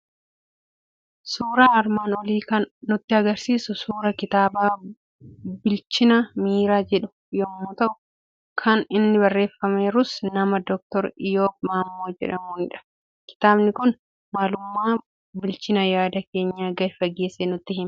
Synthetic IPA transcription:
suːɾaːɐɾmaːnɔliːkɐnːʊt̪ːɪɐɡɐɾsiːsʊsuːɾɐkɪt̪aːbaː | bɪlt͡ʃɪnɐmiːɾaːd͡ʒɛᶑʊ̥ | jomːʊt̪ɐʔʊ̥ | kʰɐnɪnːɪbɐrːe̞ːfːɐme̞ːɾʊsnɐmɐd̪ɔk̚t̪ɔɾɪjoːbmaːmːo̞ːd͡ʒɛ̰ᶑɐmuːnɪᶑɐ̥ | kɪ̥t̪aːbnɪkʊn | maːlʊmːaː | bɪlt͡ʃɪnɐjaːd̪ɐke̞ːɲːaːɡɐfɐɡːe̞ːsːɛnʊt̪ːɪɦɪmɐ

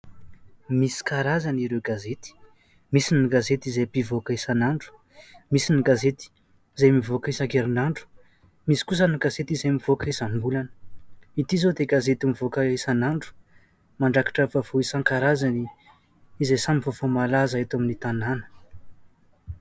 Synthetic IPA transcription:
misi̥kaɾazaniɾewɡazet̪i̥ | misiniɡazet̪izejbivokəisanaɳɖ͡ʐu̥ | misiniɡazet̪i̥ | izejmivokisakeɾinaɳɖ͡ʐu̥ | misi̥kus̬əniɡazet̪izejmiv̥okəisambulanəit̪izod̪eɡazet̪imivokəisanaɳɖ͡ʐu̥ | maɳɖ͡ʐakḁʈ͡ʂəvavoisaŋkaɾazani | izejsamivofomalazaet̪aminit̪ananə̥

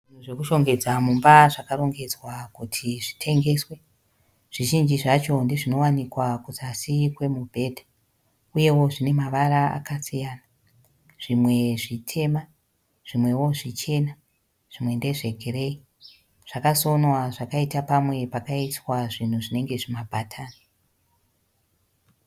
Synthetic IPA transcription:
ʐin̤uʐekuʃo̞ŋɡe̞d͡zamumbaʐakaɾo̞ŋɡe̞d͡zwakutʰiʐitʰe̞ŋɡe̞ːswe | ʐ̥iʒind͡ʒiʐat͡ʃo̞ndeʐino̞wanikwakusasikwe̞mubʱe̞ːdʱa | uje̞wo̞ʐine̞maʋaɾaa̰kasijaːna | ʐ̥imwe̞ʐitʰe̞ma | ʐ̥imwe̞wo̞ʐit͡ʃe̞na | ʐ̥imwe̞nde̞ʐe̞ɡʱere̞i | ʐ̥akaso̞nwaʐakaitapamwe̞pakaitwaʐin̤uʐine̞ŋɡe̞ʐimabʱatʰaːni

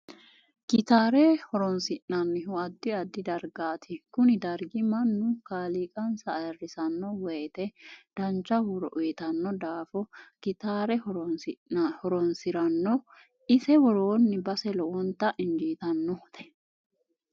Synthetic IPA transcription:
kɪt̪aːɾɛhɔɾɔnsɪnɐnːɪɦʊɐd̪ːɪɐd̪ːɪd̪ɐɾɡaːt̪ʰɪkʊnɪd̪ɐɾɡɪmɐnːʊkaːliːkʼɐnsɐːjɐrːɪsɐnːɔwɛːt̪ɛd̪̥ɐnt͡ʃːɐhʊɾɔʔʊjɛt̪ɐnːɔd̪aːfɔɡ̥ɪt̪aːɾɛhɔ | hɔɾɔnsɪɾɐnːɔ | ɪsɛwɔɾoːnːɪbɐsɛlɔʔɔnt̪ɐʔɪnd͡ʒiːt̪ɐnːɔht̪ɛ̥

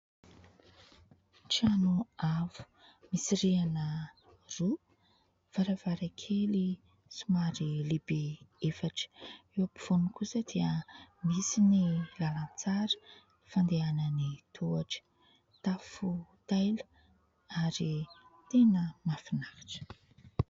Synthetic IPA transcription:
ʈ͡ʂianuavu̥ | misiɾianə | ru | v̥aɾavaɾakʰeli | sumaɾilibeefaʈ͡ʂə̥ewapi̥v̥unukusad̪̥iəmisinilalant͡saɾə̥ | fand̪eanənit̪ʰuaʈ͡ʂə̥ | t̪afut̪ajlə | aɾit̪enəmafinahḁʈ͡ʂə̥

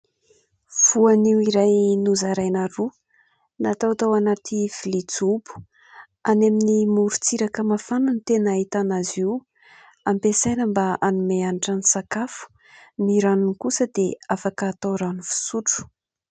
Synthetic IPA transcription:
v̥uaniwiɾajnuzaɾajnaɾu | nat̪awt̪awanat̪ifilit͡subu̥ | anaminimuɾut͡siɾakəmafananit̪enait̪anaziw | ampesajnəmbaanumeanaʈ͡ʂanisakafu̥ | niɾanunkusəd̪eafakəːt̪awɾanufi̥suʈ͡ʂu̥

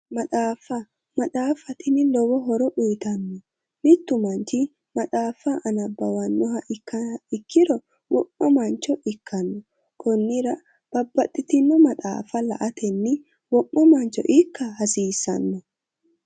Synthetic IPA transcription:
mɐt̪ʼaːfːɐ | mɐt̪ʼaːfɐt̪ɪnɪlɔwɔɦɔɾɔʔiːt̪ɐnːɔ | mɪt̪ːʊmɐnt͡ʃɪ | mɐt̪ʼaːfɐʔɐnɐbːɐwɐnːɔɦɐʔɪkːɐɪkʰːɪɾɔ | wɔʔɔmɐnt͡ʃɔʔɪkʰːɐnːɔ | kʰɔnːɪɾɐ | b̥ɐbːɐt̪ʼːɪt̪ɪnːɔmɐt̪ʼa̰ːfɐlɐ̰ʔɐt̪ʰɛnːɪ | wɔʔːɔmɐnt͡ʃɔ̰ʔɪkːɐhɐsiːsɐ̰nːɔ

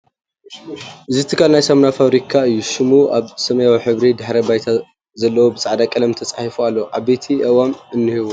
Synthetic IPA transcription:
ʔɨzit̪ʰɨkʰalnajsɐmnafaβɾikʰaɨjːuʃɪmuʔaβsɐmɐjawiħɨβɾid̪ɨħɾɐbajt̪ʰa | zɐlːɐwobɨt͡sʼʕd̪akʼɐlɐmt̪ʰɐt͡sʼaħifualːɐʔaβbe̞t̪ʰiʔɐwamɨnːɨhiβu

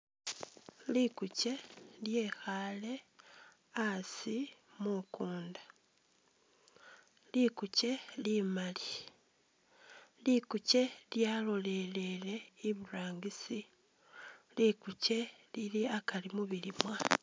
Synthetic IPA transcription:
likuce̞lje̞xale̞ | asimukuːndḁ | likuce̞limali | likuce̞ljalo̞le̞le̞le̞iβuɾaːŋɡisi | likuce̞ | liliakalimuβilimwa

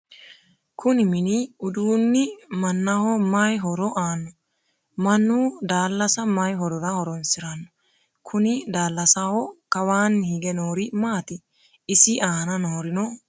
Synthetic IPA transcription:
kʰʊnɪmɪnɪʊd̪uːnːɪmɐnːahɔmajɦɔɾɔʔaːnːɔ | mɐnːuːd̪aːlːɐsɐmɐjɦɔɾɔɾɐhɔɾɔnsɪɾɐnːɔ | kʰʊnɪd̪aːlːɐsaːhɔkɐwaːnːhiɡɛnoːɾɪmaːt̪ɪ | ɪsɪʔaːnɐnoːɾɪnɔ

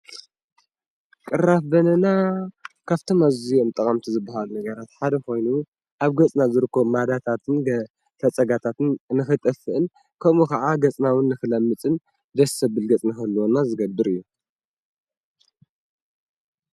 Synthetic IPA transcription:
kʼɨrafbɐnɐnakʰaβt̪ʰomazijo̞mt̪ʼɐkʼɐmt̪ʰizɨbːaɦalunɐɡɐɾat̪ħad̪ɐko̞jnu | ʔaβɡɐt͡sʼnazɨɾɨkːomad̪at̪ʰat̪ʰɨn | fɐt͡sʼɐɡat̪ʰat̪ɨnnɨxɨt̪ʼɨfɨʔɨn | kʰɐmukɐʕaɡɐt͡sʼnawɨnːɨxɨlɐmːɨt͡sʼɨn | d̪ɐsɐbɨlɡɐt͡sʼnɨxɐlːuonazɨɡɐbːɨɾɨjːu

